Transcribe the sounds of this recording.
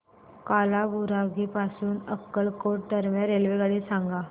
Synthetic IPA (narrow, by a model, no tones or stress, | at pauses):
kaːlabuɾaːɡipaːsuːnəkːəlkoːʈ̚ʈəɾmẽɾeːlʋeɡəɽisãːŋɡaː